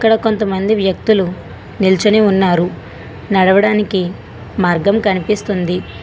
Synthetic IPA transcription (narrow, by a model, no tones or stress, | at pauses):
ɐkːɐɽɐko̞nt̪ɐmɐnd̪iʋjɐk̚t̪ulu | nilt͡ʃɐneːunːaːɾu | nɐɽɐʋɐɽaːniki | maːɾɡɐmkɐnipist̪und̪i